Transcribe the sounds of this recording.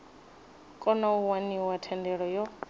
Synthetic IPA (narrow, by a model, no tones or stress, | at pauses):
kʼɔnauwaniwatʰɛndɛɺɔjɔ